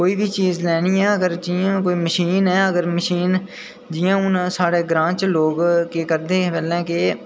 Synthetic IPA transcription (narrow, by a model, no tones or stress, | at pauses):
koːiːbʱit͡ʃiːzlɛːniːɛːəɡəɾd͡ʒiːãːkoːiːməʃiːnɦɛːəɡəɾməʃiːn | d͡ʒiːãːʊnsaːɽeːɡɾãːt͡ʃloːɡkeːkəɾd̪eːbɛːlɛ̃ːke